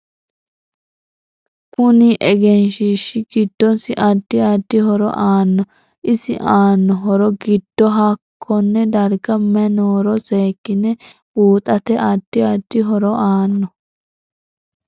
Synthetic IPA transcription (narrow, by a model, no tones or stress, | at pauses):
kʊnɪʔɛɡɛnʃiʃːɪɡɪd̪̥ːɔnsɪʔɐd̪ːɪɐd̪̥ːɪhɔɾɔ̰ʔaːnːɔ | ʔɪsɪ̰ʔaːnːɔɦɔɾɔɡɪd̪̥ːɔɦɐkʰːɔnːɛd̪ɐɾɡɐmɛnoːɾɔseːkːɪnɛbuːt̪ʼɐt̪ɛʔɐd̪̥ːɪɐd̪̥ːɪɦɔɾɔʔaːnːɔ